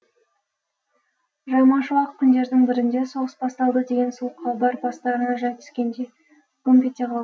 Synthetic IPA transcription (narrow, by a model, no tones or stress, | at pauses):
ʒɑmɑʃəlˠɑq̚pʰʊnd̪e̞ɾd̪ɪŋbɪɾɪnd̪e̞so̞ʁəsbɑst̪ɑlˠd̪əd̪e̞ɡʲe̞nsuəqʰːɑbɑɾbɑst̪ɑɾənɑʒɑjt̪ʰʏ̥skʲe̞nd̪ej | kompʲet̪ʲːeqʰɑlˠɑ